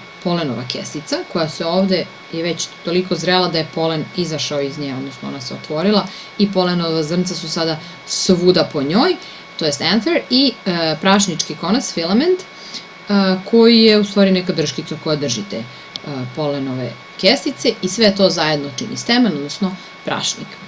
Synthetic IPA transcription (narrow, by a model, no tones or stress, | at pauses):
po̞leno̰ʋa̰kḛst̪it̪sako̞jaseoːʋd̪e | jeʋet͡ɕt̪o̞liko̞zɾelˠad̪ajepo̞lenizaʃaoizɲeɡao̞d̪nosnoo̰naseot̪ʋo̞ɾilˠa | ipo̞lenoʋazr̩nsasusad̪a | sʋuːd̪apo̞ɲo̞ːj | t̪ojest̪ɛnfeɾipɾaʃnit͡ʂkikonasfilˠament̪ | əkʰo̞jijeust̪ʋaːɾinɛkad̪r̩ʃkit̪sako̞jad̪r̩ʒit̪ḛ | po̞lenoʋḛ | kest̪it̪seisʋet̪o̞zajed̪not͡ʃḭnḭst̪emenod̪nosno | pɾa̰ʃnḭk